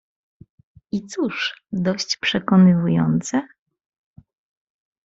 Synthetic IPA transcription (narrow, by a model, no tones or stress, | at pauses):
it̪suʂd̪ɔɕt͡ɕpʂɛkɔnɘvujɔ̰nt̪sɛ